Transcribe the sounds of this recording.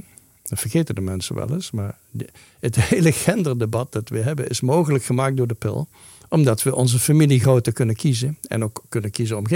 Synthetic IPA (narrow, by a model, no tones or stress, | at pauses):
dɑvərχejtəndəmɛnsə̰nʋɛ̰lˠə̰smaːɹ | ɦətɦejləɣɛndərdebɑt̚dɑtʋəɦɛbənɪsmowɣələkχəmaːk̚dʊːɹdəpɪ̰lˠ | ʔɔmdɑtʋəʔɔnzəfamiliɣrowtərkɵnənkizəɛ̰nowkːɵnəkizənɔmɣe